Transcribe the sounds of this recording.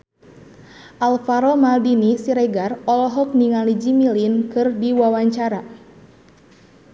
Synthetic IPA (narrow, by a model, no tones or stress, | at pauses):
ʔalfaɾɔmaldinisiɾɛɡarɔlɔɦɔk̚niŋalid͡ʒimilinkɨrdiwawaɲt͡ʃaɾa